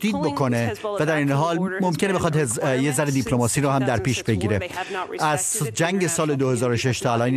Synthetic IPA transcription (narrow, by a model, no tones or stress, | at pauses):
d̪̥iːd̪̚bokʰo̞ne̞væd̪æɾinɦɒːlmomcʰene̞bexɒːd̪hzjezæɾed̪ipʰlomɒːsiːɾohæmd̪æɾpiːʃb̥e̞ɟiːɾe̞ʔæz̥ | d͡ʒæŋɟe̞sɒːle̞d̪ohe̞zɒːɾo̞ʃeʃt̪ʰæælɒːni